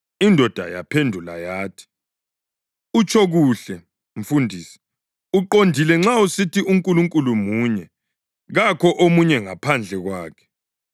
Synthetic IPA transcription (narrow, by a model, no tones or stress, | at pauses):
indʱɔd̥ʱa̰ja̰pʰendʱula̰jaːtʰi̥ | ut͡ʃʰɔɣuɬɛ | ɱ̩fundʱiːsi̥ | uǃondʱilɛŋ͡ǁausitiuŋkʼuluŋkʼulumuːɲɛ | ɣakʰɔʔomuɲɛŋapʰand͡ɮʱɛɣwaːkʰɛ̥